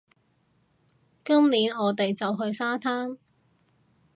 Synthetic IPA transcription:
kɐ˥mniː˨˥nɔː˨˧t̪e˨jt͡sɐ˨wɦɵ˧ɥsaː˥t̪ʰaː˥n

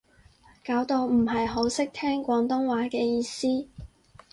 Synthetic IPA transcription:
kaː˨˥wt̪o˧wm̩˨˩ɦɐ˨jɦo˨˧˥wsɪ˥k̚t̪ʰɛː˥ŋkʷɔː˨˧ŋt̪ʊ˥ŋwaː˨˥kɛː˧jiː˧siː˥

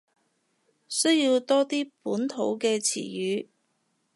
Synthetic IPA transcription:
sɵ˥ɥji˧wt̪ɔː˥t̪iː˥puː˨˥nt̪ʰo˨˥wkɛː˧t͡sʰḭː˨˩jyː˨˧

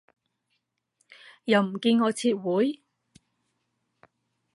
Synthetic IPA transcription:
jɐ˨˧wm̩˨˩kiː˧nŋɔː˨˧t͡sʰiː˧t̚wuː˨˥j

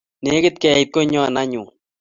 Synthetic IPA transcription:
ne˨˦kɪ˦t̪̚kɛ˨i˨t̪̚ko˦ɲɔ˦˨na˦ɲu˨

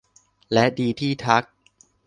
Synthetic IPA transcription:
lɛ˦˥diː˧t̪ʰiː˥˩t̪ʰa˦˥k̚

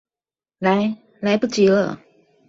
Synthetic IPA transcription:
la˨˦ɪ | la˧˦ɪpu˥˩t͡ɕi˧˥lə̰˧˨

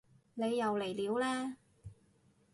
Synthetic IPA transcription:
ne˨˧jːɐ˨˧wle˨˩jliː˨˥wlɛː˥

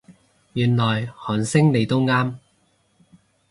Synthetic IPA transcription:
jyː˨nlɔː˨jhɔː˨˥nsɪ˥ŋle˨˧jt̪ʊ˥wŋaː˥m

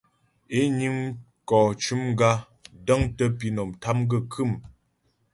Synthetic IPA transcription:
e˦ɲi˦ŋ | kɔ˨t͡ʃu˦m˦ɡa˦ | də˦ŋtə˦pi˦nɔ˨mtʰa˦mɡə˦kʰɨ˦˨m

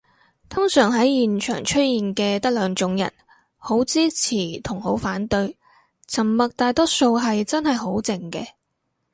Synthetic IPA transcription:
t̪ʰʊ˥ŋsœː˨˩ŋɦɐ˨˥jjiː˨˩nt͡ʃʰœ̰ː˨˩ŋt͡ʃʰɵ˥t̚jiː˨nkɛː˧t̪ɐ˥k̚lœː˨˧ŋt͡ʃʊ˨˥ŋjɐ̰˨˩n | ho˨˥wt͡siː˥t͡sʰiː˨˩t̪ʰʊ˨˩ŋho˨˥wfaː˨˥nt̪ɵ˧ɥ | t͡sʰɐ˨˩mːɐ˨k̚t̪aː˨˧jt̪ɔː˥so˧wɦɐ˨jt͡sɐ˥nhɐ˨jɦo˨˥wt͡sɪ˨ŋkɛ̰ː˧

